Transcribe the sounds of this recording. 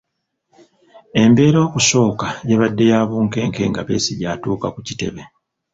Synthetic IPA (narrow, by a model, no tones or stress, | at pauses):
e̞mbe̞ːɾo̞ːkuso̞ːkajeβadːe̞jaːβuːŋke̞ːŋke̞̰ːŋɡaβe̞ːsiɟatuːkakucite̞̰βe